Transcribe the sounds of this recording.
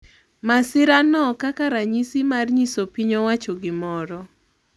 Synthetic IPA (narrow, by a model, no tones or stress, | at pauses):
masɪɾanɔkakaɾaɲisimarɲisopiɲowat͡ʃɔɡɪmɔɾɔ